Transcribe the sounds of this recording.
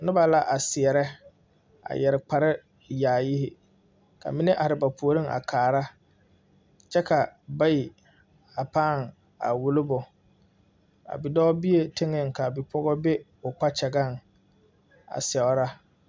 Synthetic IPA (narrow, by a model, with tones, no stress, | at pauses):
nɪ˦ba˨la˦ʔa˨sɪ˨ɛ˨ɾɛ˦ | a̰˨jɛ˨ɾɪ˨k͡pa˨ɾɪ˦ | jaː˨ji˦hɪ˦ | kʰa̰˨mɪ˦nɛ˦ʔa˨ɾɪ˨ba˨pʰu˨o˨ɾi˦ŋa̰˨kʰaː˨ɾa˦ | t͡ʃɛ˦ka˨ba˦ji˨ | a˨paː˦˨ŋ | a̰˨wʊ˨lʊ˦bʊ˨ | a̰˨bi˨dɔ˦bi˦e˦tɪ˦ŋɪ˦˨ŋ˨ka˨bɪ˨pʰɔ˦ɣɔ˦bɛ˦ | ʊ˨k͡pa˦t͡ʃɛ˨ɡa˦˨ŋ | a̰˨sɛ˨ʊ˦ɾa˦